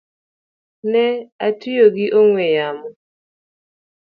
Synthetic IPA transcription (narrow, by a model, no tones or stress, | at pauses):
nɛatɪjoɡɪʔoŋwejamɔ